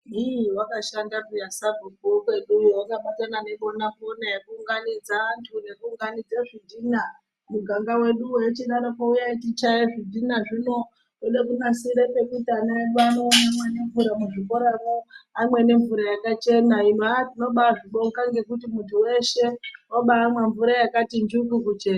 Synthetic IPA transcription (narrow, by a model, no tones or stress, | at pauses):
ɦiwakaʃandapujasabʱubokwe̞ɗuwakaɓatanane̞ɓo̞naponajakuːŋɡanid͡zaʋantʰune̞kuːŋɡanid͡zeʐidʱina | muɡʱaŋɡawe̞ɗuwet͡ʃiɗanapoujaitit͡ʃajeʐidʱinaʐino̞ | eɗekunasiɾepekutanaanonamwene̞ɱvuɾamuʐiko̞ɾaroamwe̞ne̞ɱvuɾajakat͡ʃe̞naimatino̞ɓaʐiɓo̞ŋkaŋɡe̞kutimuntʰuwe̞ʃe̞oɓaːmweɱvuɾajakatind͡ʒukukut͡ʃena